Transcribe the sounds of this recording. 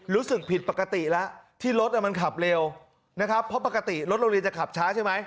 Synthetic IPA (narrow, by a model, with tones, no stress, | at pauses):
ɾuː˦˥sɯ˨˩k̚pʰi˨˩t̪̚pa˨˩kːa˧t̪i˨˩lɛ˦˥ʔt̪ʰiː˥˩ɾo˦˥t̪̚ʔa˨˩ma˧nkʰa˨˩p̚le˧w | na˦˥kʰa˦˥pʰːɔ˦˥pa˨˩kːa˧t̪i˨˩ɾo˦˥t̪̚ɾo˧li˧nt͡ɕa˨˩kʰa˨˩p̚t͡ɕʰaː˦˥t͡ɕʰa˥˩jma˦˥j